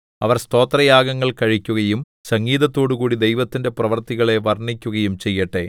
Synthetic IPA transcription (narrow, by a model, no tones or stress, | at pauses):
ɐʋɐrst̪o̞ːt̪rɐjaːɡɐŋːɐɭkɐɻikʲːuɣɐjum | sɐŋɡiːðɐt̪ːo̞ːɽukuːɽid̪e̞jʋɐt̪ːinde̞prɐʋɐrt̪iɣɐɭe̞ʋɐrɳikʲːuɣɐjumt͡ɕe̞jːɐʈːe̞̰